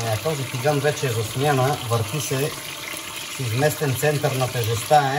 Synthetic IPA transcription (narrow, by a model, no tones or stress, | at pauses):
ɛɐt̪ɔzit̪iɡanvɛt͡ʃɛːzosmʲjanəvəɾt̪isɛ | sizmɛst̪ɛnt̪sɛnt̪əɾnat̪ɛʒɛst̪aɛ